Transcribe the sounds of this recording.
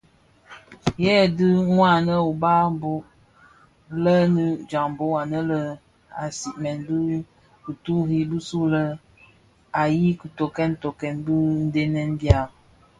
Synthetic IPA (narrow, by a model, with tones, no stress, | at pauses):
jɛ˦˨dɨ˦ŋwa˦˨nə˦o˨ba˦m˦bo˦ʔ | lə˦nɨ˦d͡ʒa˨ŋm˨bo˦a˨nə˦lə˦ | a˨si˨ʔmɛ˨nbɨ˦ | ku˨tu˦ɦi˦bɨ˦su˦lə˦ | a˨ji˦kə˨to˨kɛ˦nto˨kɛ˨nbɨ˦n̩˦de˦nɛ˦nbja˦˨